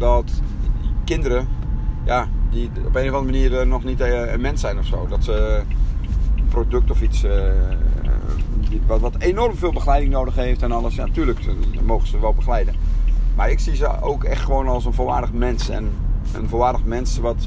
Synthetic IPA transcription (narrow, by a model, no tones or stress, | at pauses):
dɔt | kɪndəɾəjadiopeːnəfɑ̃ndəməniərnɔxnitəmɛnsɛjnɔfsoːdɔtsə | əprodøk̚tɔfis | ʋɔtʋɔtenɔrmfeːlˠbəxəlɛjdɪŋnoːdəxheːftɛnɔləsjatyːələkmoːɣəsəʋɛlˠbəxəlɛjdəmaɹɪksizəo̰ːkɛxtxəʋoːnɔlˠsənvoːlˠʋa̰ːrdəxmɛnsɛ̰n | ə̰nfoːlˠʋaːrdəxmɛnsʋɔt